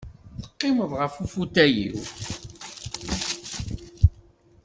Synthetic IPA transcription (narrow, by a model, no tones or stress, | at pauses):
θə̥qːɪməðˤʁəfufut̪æjḭw